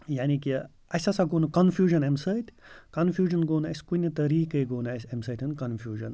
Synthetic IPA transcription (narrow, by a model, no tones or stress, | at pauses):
jaːniki | ɐsɐsɐɡoːnukɐnfʰjuːʒɐnemsɐjt̪ʲʰkɐnfjuːʒɐnɡoːnuɐskunʲɐt̪ɐɾiːkɐjɡoːnɐsɐmsɐt̪ʰɨnkɐnfʰjuːʒɐn